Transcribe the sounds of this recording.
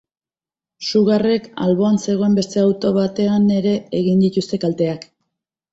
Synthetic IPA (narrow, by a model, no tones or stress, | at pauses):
suɣare̞ka̰lβo̞anse̞ɣo̞e̞mbe̞st̪e̞awt̪o̞β̞at̪e̞ane̞ɾe̞ːɣind̪it̪ust̪e̞kalt̪e̞ak